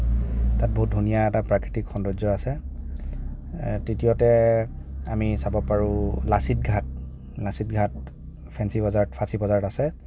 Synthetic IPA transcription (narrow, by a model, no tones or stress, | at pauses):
tat̚boɦut̚dʱunijaɛtapɹakɹitikxɔndɔzɔasɛ | titijɔtɛ | amisabɔpaɹulasit̚ɡʱat | lasit̚ɡʱat | pʰɛnsibɔzaɹtpʰasibɔzaɹtasɛ